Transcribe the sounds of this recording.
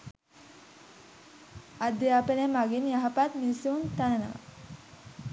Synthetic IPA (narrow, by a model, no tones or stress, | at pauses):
ad̪eapenemaɡinjaɦapat̪misuunt̪anənəʋə̰